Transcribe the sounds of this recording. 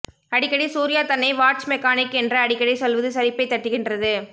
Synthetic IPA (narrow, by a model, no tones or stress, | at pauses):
ɐɽɪkːɐɽisuːɾɪjaːt̪ɐnːɐɪʋaːʈ̚t͡ʃmɛkːaːnɪkːɛndrɐːɽɪkːɐɽisɔlʋɐðɯsɐɾɪpːɐɪt̪ːɐʈːɯɣɪndrɐðɯ